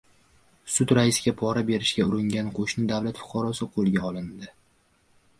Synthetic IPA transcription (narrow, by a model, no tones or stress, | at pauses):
sʊd̪ɾaɪsɪɡʲapʰɒɾabe̞ɾɪʃɡʲaʊɾɪŋɡʲanqʰoʃnɪd̪avlat̪fʊ̥qʰɑɾɒsɪqʰolˠɡʲaɒlɪnd̪ɪ